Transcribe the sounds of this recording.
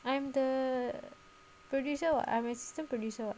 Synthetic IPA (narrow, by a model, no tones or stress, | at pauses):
ãjmd̪ə | pɾɔɖjuːsəʋa̰ʔã̰jmasi̥stə̃mpɾɔɖjuːsəʋa̰